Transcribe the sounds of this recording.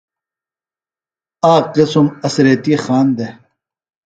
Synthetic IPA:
aːklesumɐsɾet̪ixaːnd̪e

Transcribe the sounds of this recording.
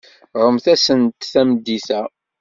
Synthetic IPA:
ʁəmθæsənt̪θæməd̪ːiθæ

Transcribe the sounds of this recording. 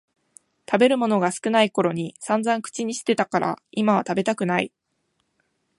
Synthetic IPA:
t̪abe̞ɾɯ̟mo̞no̞ɡasɨ̥kɯ̟naiko̞ɾo̞ɲ̟isãnd͡zãŋkɯ̟̥t͡ɕiɲ̟iɕi̥t̪e̞t̪akaɾʔa̰imaβ̞at̪abe̞t̪akɯ̟nai

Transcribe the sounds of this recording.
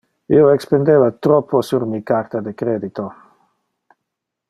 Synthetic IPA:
ioekspend̪evat̪ɾɔpʰːosuɾmikaɾt̪ad̪ekɾeːd̪it̪o

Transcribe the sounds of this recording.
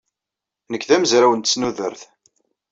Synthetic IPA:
nəkːðæməzɾæwənt̪ə̥snuðə̰ɾθ

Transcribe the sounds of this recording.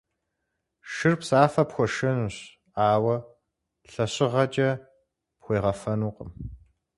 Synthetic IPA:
ʃɪrpsaːfɐpxʷɔʃɐnuːɕ | aːwɐ | ɬɐɕɪʁɐt͡ʃʼɐ | pxʷeːʁɐfɐnuːqəm

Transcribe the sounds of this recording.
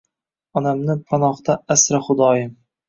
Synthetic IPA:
ɒnamnɪpʰanɒχt̪aasɾaχʊd̪ɒːjɪ

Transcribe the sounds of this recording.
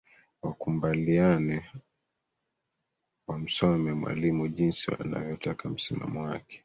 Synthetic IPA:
wakumbalianɛ | wam̩sɔmɛmwa̰limuʄinsia̰na̰vjɔtakʰam̩sima̰mɔwakɛ̥

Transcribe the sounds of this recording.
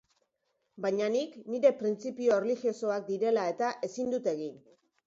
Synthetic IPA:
bajɲanikniɾe̞pɾint͡sipio̞erlixio̞so̞ak̚d̪iɾe̞lae̞t̪aʔe̞sind̪ut̪e̞ɣin

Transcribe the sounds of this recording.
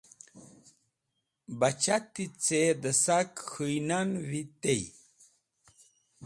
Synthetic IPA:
bat͡ɕat̪ːit͡sed̪əsakxujnanwit̪ej

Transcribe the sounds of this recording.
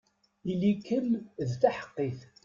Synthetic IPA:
ilikːəlðθaħə̥qːiθ

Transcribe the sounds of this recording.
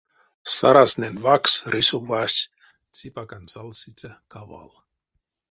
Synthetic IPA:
sa̰ɾasnʲenvaksɾisubasʲ | t͡sipakanʲsalˠsit͡sʲakaʋa̰lˠ

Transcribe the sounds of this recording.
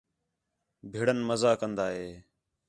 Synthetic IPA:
bʱeːɽənməzaːkənd̪aːɦeː

